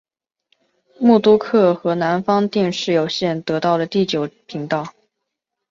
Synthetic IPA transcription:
mu˥˩t̪u˥kʰɤ˥˩xɤ˧˥na˧˥nfɑ˥ŋt̪i˥˧ŋʂɻ̩˥˩jo˨˩ʊɕjɛ˥˩nt̪ɤ˧˥t̪ɑ˥˩ʊlə˩t̪i˥˩t͡ɕjo˨˩ʊpʰi˧˥ŋt̪ɑ˥˩ʊ

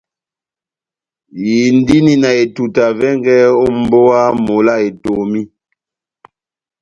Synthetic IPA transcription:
ji˨n˦di˦ni˨na˨e˨tu˨ta˨vɛ˦ŋɡɛ˦o˦m̩˦bo˦a˦mo˨la˦˨e˨to˨mi˦

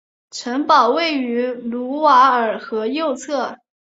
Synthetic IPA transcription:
ʈ͡ʂʰə˧˥ŋpɑ˨˩ʊwe˥˩ɪy˧˥lu˧˥wa˧˥ə˞˨˩xɤ˧˥jo˥˧ʊt͡sʰɤ˥˩

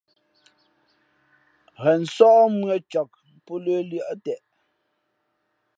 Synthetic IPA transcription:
ɣɛ˨n̩˨sɔ˦ʔmɰe˦˨t͡ʃɔ˨k̚pɔ˦ləː˦ljə˦˨ʔtɛ˨ʔ

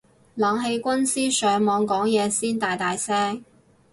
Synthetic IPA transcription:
laː˨ŋɦe˧jkʷɐ˥nsiː˥sœː˨˧ŋmɔː˨˧ŋkɔː˨˥ŋjɛː˨˧siː˥nt̪aː˨jt̪aː˨jsɛː˥ŋ

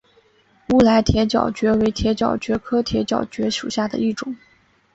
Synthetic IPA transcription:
u˥˩la˧˥ɪt̪ʰjɛ˧˥t͡ɕjɑ̰˨˩ʊt͡ɕɥɛ˧˥we˧˥ɪt̪ʰjɛ˧˥t͡ɕjɑ̰˨˩ʊt͡ɕɥɛ˧˥kʰɤ˥t̪ʰjɛ˧˥t͡ɕjɑ̰˨˩ʊt͡ɕɥɛ˧˥ʂṵ˨˩ɕja˥˩d̪ə̰˩i˥˩ʈ͡ʂʊ˨˩˦ŋ

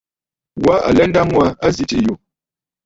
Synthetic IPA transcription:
wa˦a̰˨lɛ˦nda˦mwa˦a˦zi˦ti˨ju˨

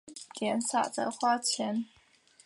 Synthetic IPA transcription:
t̪jɛ˨˩nsa̰˨˩t͡sə̰˧xwa˥˩t͡ɕʰjɛ˧˥n

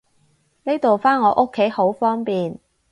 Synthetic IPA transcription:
ne˥jt̪o˨wfaː˥nŋɔː˨˧ʔo˥kʰːe˨˥jho˨˥wfɔː˥ŋpiː˨˩n

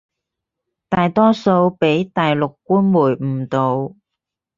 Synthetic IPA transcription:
t̪aː˨jt̪ɔː˥so˧wpe˨˥jt̪aː˨jlʊ˨kːuː˥nmuː˨˩jm̩˨˩t̪o˨w

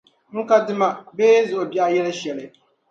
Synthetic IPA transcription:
ŋ̩˦ka˦dɪ˦ma˨beː˦zʊ˨ʔʊ˨ba˦jɛ˦la˦ʃɛ˨lɪ˦

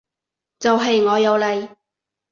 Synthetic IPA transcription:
t͡sɐ˨wɦɐ˨jŋɔː˨˧jɐ˨˧wlɐ˨j

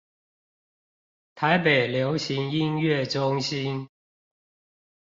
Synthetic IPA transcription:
t̪ʰa˨˦ɪpe˨˩ɪljo˨˦ʊɕi˨˦ŋi˦˥nɥɛ˥˨ʈ͡ʂʊ˦˥ŋɕi˦n

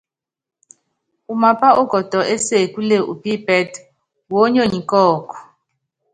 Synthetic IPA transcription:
u˨ma˨pa˦ɔ˦ɡ̥ʱɔ˨d̥ʱɔ˨ʔɛ˦se˨kʼu˦le˦ʔṵ˨pi˦bʱɛ˦tʰ | wo˦ɲo˦˨ɲi˨kʼɔː˨kʼɔ̥˨

